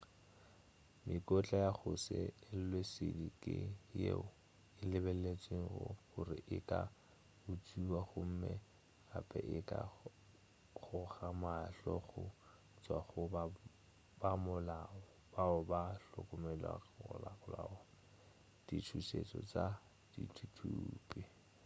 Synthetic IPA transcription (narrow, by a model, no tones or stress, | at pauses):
mʔɪkʼɔt͡ɬʼajaχʊsɪɪl̩lwesɪdikʼɪjeʊ | ɪlɪbɛllet͡sʼweŋ̩ɣʊɣʊrɪʔɪkʼa | ʊt͡sʼuwaχʊm̩mɛ | apʼɛʔɪkʼa | χʊχamaɬɔɣʊ | t͡sʼwaχʊba | bamʊlaɔ | baʊbaɬʊkʼʊmɛlwa̰ʊlaɣʊlaːɔ | d̥itʰuset͡sʼɔt͡sa | d̥itʰutʰuːpʼi